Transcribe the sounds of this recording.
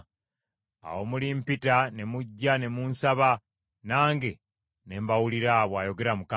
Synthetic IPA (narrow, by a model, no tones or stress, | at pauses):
a̰wo̞mulimpitane̞muɟːane̞munsaβa | naːŋɡe̞ | ne̞ːmbawuliɾaβwajo̞ɡe̞ɾamuka